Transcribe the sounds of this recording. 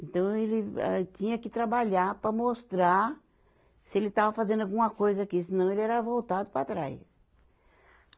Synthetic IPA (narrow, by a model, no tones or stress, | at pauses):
ẽnt̪ɐ̃w̃elɪɛ̰t͡ʃĩɲɐkɪt̪ɾabaʎaɾpɾɐmost̪ɾa | sɪelɪt̪avɐfazẽnd̪awɡũmɐkojzɐakisɪnɐ̃w̃elɪɛɾɐvowt̪ad̪ʊpɾat̪ɾa̰js